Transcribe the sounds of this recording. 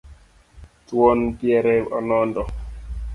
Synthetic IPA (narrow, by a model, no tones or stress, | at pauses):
twɔnpjɛɾɛɔnɔndɔ